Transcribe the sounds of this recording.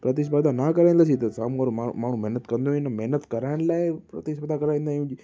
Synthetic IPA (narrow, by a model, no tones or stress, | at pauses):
pɾət̪̬iːs̬bad̪anaːkɐɾaĩːnd̪aːsit̪ɐsaːmũaɾomamaːɳ̤ũmɛɦnət̪kɐ̃nd̪oinəmɛɦnət̪kɐɾaːɪñlaːɪpɾɐt̪iːsbəd̪akɐɾaːĩːn̆d̪aːũːd͡ʒi